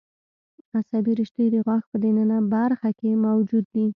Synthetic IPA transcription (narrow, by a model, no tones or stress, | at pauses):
asabiɾɪʃt̪əd̪əɣwɑxpəd̪enənabaɾxakemawd͡ʒud̪̚ːi